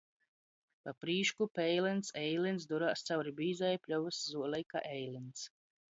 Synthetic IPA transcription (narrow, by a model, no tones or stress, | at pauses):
papɾiːʃkupɛjlɛnt̪sɛjlinsd̪uɾaːst̪sawɾibiːzajpʲlʲɔvuszuɔlˠɛjka̰ʔɛjlins